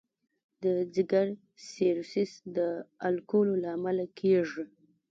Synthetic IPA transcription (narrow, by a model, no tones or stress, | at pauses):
d̪əd͡zɪɡaɾ | seɾsisd̪əalkololaːmalakʰeʐi